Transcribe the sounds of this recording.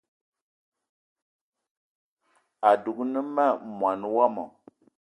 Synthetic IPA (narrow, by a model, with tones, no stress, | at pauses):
a˨du˨knə˦ma˦˨mwa˨nwa˦mɔ̰˨